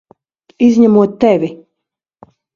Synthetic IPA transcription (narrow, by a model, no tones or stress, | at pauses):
izʲɲæmuɔt̪ːɛvʲi